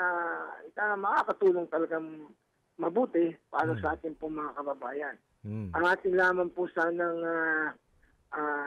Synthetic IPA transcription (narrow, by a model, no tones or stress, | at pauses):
aɪk̪amɐkaːkɐt̪uːloŋt̪ɐlɐɡaŋ | mɐbuːt̪ɪpa̰ːɾɐsɐʔaːt̪ɪnpʊŋmɐŋakɐbɐbaːjɐn | ʔɐŋʔaːt̪ɪŋlaːmɐnpʊsaːnɐŋa | ʔaː